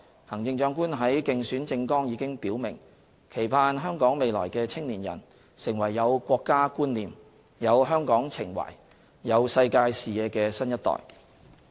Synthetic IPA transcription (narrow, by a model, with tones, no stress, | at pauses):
hɐ˨˩ŋt͡sɪ˧ŋt͡ʃœː˧ŋkuː˥nɦɐ˨˥jkɪ˧ŋsyː˨˥nt͡sɪ˧ŋkɔː˥ŋjiː˨˧kɪ˥ŋpiː˨˥wmɪ̰˨˩ŋ | kʰe˨˩jpʰaː˧nɦœː˥ŋkɔː˨˥ŋme˨jlɔ̰ː˨˩jkɛː˧t͡sʰɪ˥ŋliː˨˩njɐ̰˨˩n | sɪ˨˩ŋwɐ˨˩jːɐ˨˧wkʷɔː˧kːaː˥kuː˥nliː˨˩m | jɐ˨˧wɦœː˥ŋkɔː˨˥ŋt͡sʰɪ˨˩ŋwɐ̰˨˩j | jɐ˨˧wsɐ˧jkaː˧jsiː˨jɛː˨˧kɛː˧sɐ˥njɐ˥t̪̚ɔ̰ː˨j